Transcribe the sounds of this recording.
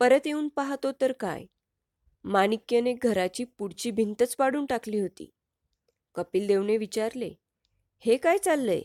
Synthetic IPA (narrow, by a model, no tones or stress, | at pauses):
pəɾət̪jeuːnpaɦt̪ot̪əɾka̰j | manikjəneɡʱəɾat͡ɕiːpuɽt͡ɕiːbʱint̪ət͡spaɽuːnʈakliːɦot̪ḭː | kəpiːld̪eʋneʋit͡ɕaɾlḛ | hekajt͡salːə̰j